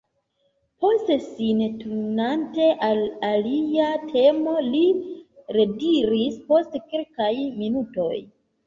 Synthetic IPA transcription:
po̞ste̞sintunante̞ʔalaliatʰe̞mo̞liɾe̞diɾispo̞stkelkajminuto̞̰j

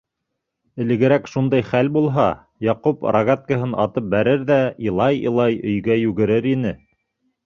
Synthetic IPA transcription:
ɘ̆lɘ̆ɡɘ̆ɾækʃund̪ɑjχælbulˠɦɑ | jɑqupɾaɣat̪̚kəɦɤnɑ̰t̪ɤp̚bæɾɘɾðæilˠɑjḭlˠɑjɵ̆jɡæjʉɡɘ̆ɾɘɾinɘ

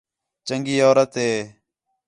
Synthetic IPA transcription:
t͡ʃəŋɡiːoːɾət̪ɦeː

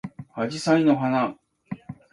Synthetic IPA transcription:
had͡ʑisainoɦana

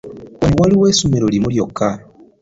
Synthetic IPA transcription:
wewaliweːsumeɾolimuljokʰːa

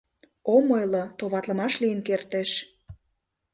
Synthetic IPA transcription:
omojlot̪oβɑt̪ləmɑʃlijənkert̪eʃ

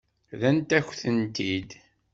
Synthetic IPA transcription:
ðænt̪æçθənt̪id̪

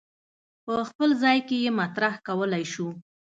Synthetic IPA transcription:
pəxpəlzɑjkejemat̪ɾahkawəlajʃu

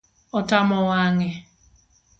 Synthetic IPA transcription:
ɔtamɔwaŋɪ

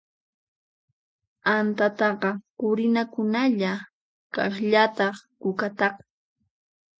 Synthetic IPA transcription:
ant̪at̪ɑqɑqʊɾɪnakʊnaʎa | kɑχʎat̪ɑχkʊkat̪ɑq

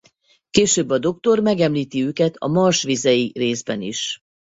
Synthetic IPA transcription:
keːʃøːbːɒd̪o̞kt̪o̞rmɛɡɛmliːt̪iøːkɛt̪ʰɒ̰mɒrʃʋizɛjireːzbɛ̰niʃ

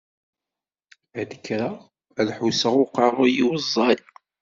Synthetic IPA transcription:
d̪əkːɾa | æðħusəʁʊqɑrˤʊjiwəzˤːɑl

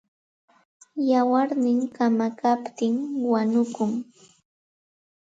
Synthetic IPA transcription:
jawaɾnɪŋkamakapt̪ɪŋwaɲʊkʊŋ

